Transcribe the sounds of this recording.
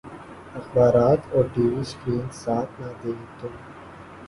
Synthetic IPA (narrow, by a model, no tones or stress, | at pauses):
ɐxbaːɾaːt̪ɔːɾɖiːʋiskɾĩːnsaːt̪ʰnad̪ẽːt̪õː